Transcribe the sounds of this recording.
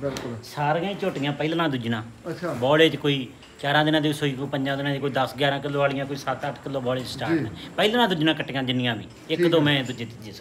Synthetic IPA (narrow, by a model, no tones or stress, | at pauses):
bɪkʊsaːɾjãːĩːt͡ʃoːʈɪjãːpəiːlnãːd̪ʊd͡ʒnãːbɔːleːt͡ʃkoːiː | t͡ʃaːɾãːd̪ɪnãːd̪eːsoːiːkopəɲd͡ʒãːd̪ɪnãːeːkoːiːd̪əsɡjaːɾãːkɪlːoːaːlɪjãːkoiːsət̪əʈʰkɪlːoːbɔːleːt͡ʃsʈaːnɛ̃ːpəilnãːd̪ʊd͡ʒnãːkəʈːeːãːd͡ʒɪnːɪjãːʋḭ̃ː | ɪkd̪oːmɛ̃ːd̪ʊd͡ʒeːt̪ɪd͡ʒeːs